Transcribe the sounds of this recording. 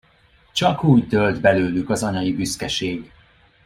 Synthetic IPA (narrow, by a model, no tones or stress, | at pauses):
t͡ʃɒkuːɟt̪ølt̪bɛløːlykɒzɒɲɒjibyskɛʃeːɡ